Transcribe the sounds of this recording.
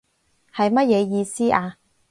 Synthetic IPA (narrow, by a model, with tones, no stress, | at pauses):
hɐ˨jmɐ˥t̚jɛː˨˧jiː˧siː˥ʔaː˧